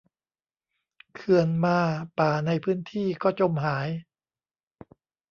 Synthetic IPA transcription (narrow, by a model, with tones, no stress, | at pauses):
kʰɯ˧ənmaː˧paː˨˩na˧jpʰɯː˦˥nt̪ʰiː˥˩kɔː˥˩t͡ɕo˧mɦaː˩˦j